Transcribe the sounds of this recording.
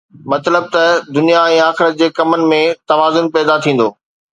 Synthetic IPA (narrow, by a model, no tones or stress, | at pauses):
mɐt̪ləb̚t̪ɐd̪ʊnijaɛ̃ːaːxɪɾət̪̚d͡ʑeːkɐmənɪ̆mẽt̪ɐʋaːzʊnpɛːd̪at̪ʰĩːn̆d̪oː